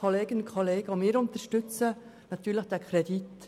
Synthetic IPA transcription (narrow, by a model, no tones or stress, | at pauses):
oleːɡənkʰoleːɡ̥əomɪːɾʊnt̪əʃtʏt͡sə | nɑt̪yːɾləχd̥ɛkʰɾɛdit